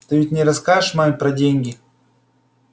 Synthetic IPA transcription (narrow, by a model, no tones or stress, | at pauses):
t̪ɨvʲɪtʲnʲɪɾɐskaɨʂmamʲpɾɐdʲenʲɡʲɪ